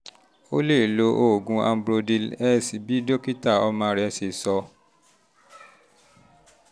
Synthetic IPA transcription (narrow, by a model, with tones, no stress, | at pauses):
o˦le˦˨lo˧ʔo˨ɡũ˧a̰˧m̩˦bɾo˧di˧lɛ˦˨si˨bi˨˦do˦ki˦ta˦˨ɔ˧mãː˧˦ɾɛ˨se˧˨sɔ˧